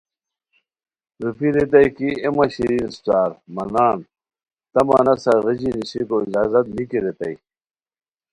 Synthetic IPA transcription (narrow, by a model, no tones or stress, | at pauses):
ɾupiɾet̪̬ɐjkiemɐɕiɾinst̪aːɾmɐnaːn | t̪ɐmɐ̰nɐsɐɣid͡ʑiniɕikoizaːzɐt̪̚nikiɾet̪ɐj